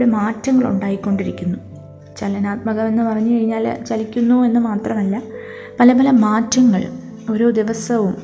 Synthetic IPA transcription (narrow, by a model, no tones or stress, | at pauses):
ɽemaːtːɐŋːɐɭṵɳɖaːjikʲːo̞ɳɖiɾikʲːunːu | t͡ɕɐlːɐnaːt̪mɐɣɐme̞nːɨpɐrɐɲːɨkɐɻiɲːaːlt͡ɕɐlikʲːunːue̞nːɨmaːt̪rɐmɐlːɐ | pɐlɐpɐlɐmaːtːɐŋːɐɭ | o̞ɾo̞ːd̪iʋɐsɐʋum